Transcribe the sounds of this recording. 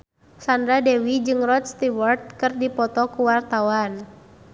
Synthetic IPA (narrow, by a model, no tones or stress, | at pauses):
sandɾadɛwid͡ʒɨŋrɔt̪̚st̪iwɔrt̪̚kɨrdipɔt̪ɔkuwart̪awan